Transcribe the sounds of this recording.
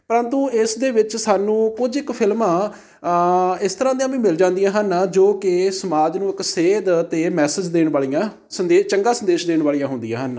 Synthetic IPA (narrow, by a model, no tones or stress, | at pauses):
pəɾənt̪ũːɪsd̪eːʋɪt͡ʃsaːnũːkʊd͡ʒɪkpʰɪlmãː | ɪst̪əɾãːd̪ĩjãːʋĩːmɪld͡ʒãːnd̪ijãːɦənd͡ʒoːkɪsəmaːd͡ʒnũːɪkseːd̪t̪eːmɛːsəd͡ʒd̪eːɳbaːɭijãː | sənd̪eːt͡ʃəŋɡaːsənd̪eːʃd̪eːɳʋaːlijãːɦʊ̃nd̪ijã̰ːɦən